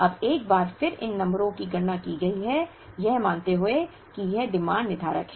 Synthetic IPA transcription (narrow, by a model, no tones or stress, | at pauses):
ɐbeːk̚baːɾfɪɾɪ̰nːɐ̃mbɾõkiɡɐɽnakiɡɐiɦɛ | jɛɦmãːnt̪eɦʊe | kijɛɖɪmãːɳɖnɪd̪ʱaːɾə̰kɦɛ